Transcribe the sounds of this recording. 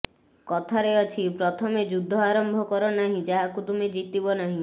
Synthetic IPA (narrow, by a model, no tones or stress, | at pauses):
kɔt̪ʰaɾeɔt͡ʃʰipɾɔt̪ʰɔmed͡ʒud̪ʱːɔaɾɔmbʱɔkɔɾɔnaɦĩd͡ʒaɦakut̪umed͡ʒit̪ibɔnaɦĩ